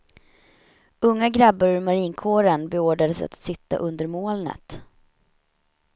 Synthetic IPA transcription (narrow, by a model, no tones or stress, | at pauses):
ɵŋːaɡɾabːaɾɵɾmaɾiːnkʰoːɾənbɛoːɖad̪əsa̰t̪sɪt̪ːa̰ʔɵnd̪əɾmoːlnə̰t̪